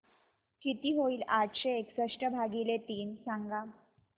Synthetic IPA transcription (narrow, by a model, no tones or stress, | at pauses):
kit̪iːɦoiːlaʈɕeːksəʂʈəbʱaɡilet̪iːnsaŋɡa